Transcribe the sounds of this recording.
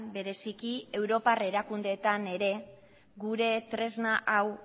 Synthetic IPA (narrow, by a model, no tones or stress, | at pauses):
be̞ɾe̞sikie̞wɾo̞pare̞ɾakund̪e̞t̪ane̞ɾe̞ | ɡuɾe̞t̪ɾe̞znaʔaw